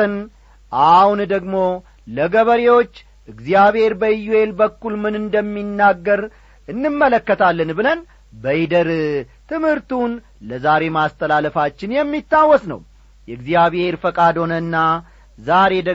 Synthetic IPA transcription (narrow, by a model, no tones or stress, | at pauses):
ən | ʔahund̪əɡmo̞ | ləɡəβəɾewo̞t͡ʃː | ʔɨɡzijaβhe̞ɾbəjːue̞lbəkːulmɨnɨnd̪əmːinːaɡːəɾ | ɨnːɨmːələkːət̪ʰalːənbɨlən | bəjid̪əɾt̪ʰɨmhɨɾt̪un | ləzaɾe̞mast̪ʰəlaləfat͡ʃːɪnjɛmːit̪ːawːɔsnə̰w | jɛɨɡzijaβhe̞ɾfəkʼad̪ho̞nənːa | zaɾe̞d̪ə